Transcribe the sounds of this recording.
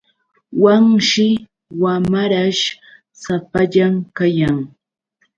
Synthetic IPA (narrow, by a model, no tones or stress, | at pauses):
waŋʃɪ | wamaɾaʃ | sapaʎamkajaŋ